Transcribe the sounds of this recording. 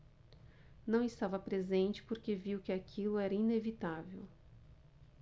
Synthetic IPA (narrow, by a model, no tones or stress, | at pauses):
nɐ̃w̃ɪst̪avɐpɾezẽnt͡ʃɪ̥poɾkeviwkɪakʰilʊɛɾɐinevit̪avew